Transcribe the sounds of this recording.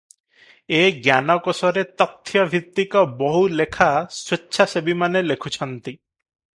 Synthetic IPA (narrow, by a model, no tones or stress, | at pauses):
eɡjanɔkɔsɔɾet̪ɔt̪ʰjɔbʱit̪ːikɔbɔɦulekʰaswetːʃʰasebimanelekʰut͡ʃʰɔnt̪i